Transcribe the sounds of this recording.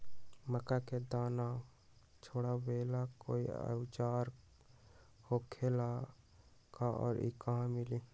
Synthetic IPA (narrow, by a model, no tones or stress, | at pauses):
məkaked̪aːna | t͡ʃʰoːɽabeːlako̰ːiə̰ʋt͡ʃaːɾ | hoːkʰeːla | kaɔ̰ːɾḭkãmɪli